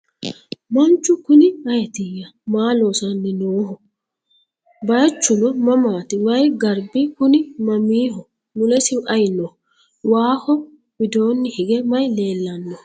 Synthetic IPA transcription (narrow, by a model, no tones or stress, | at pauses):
mɐnt͡ʃːʊkʊnɪɐjt̪ɪjːɐmaːloːsɐnːɛnoːɦɔ | bɐjt͡ʃːʊnɔmɐmaːt̪ɪwɐjɡɐɾbɪkʊnɪmɐmiːɦɔ | nʊlɛsɪʔɐjnːɔ | waːhɔ | bɪd̪o̞ːnːɪhɪɡɛmɐjle̞ːlːɐnːɔ